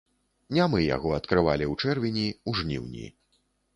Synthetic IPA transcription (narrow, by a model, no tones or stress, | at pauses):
nʲamɨja̰ɣɔɐt̪kɾɨvalʲiwt͡ʂɛrvʲinʲiuʐnʲḭwnʲḭ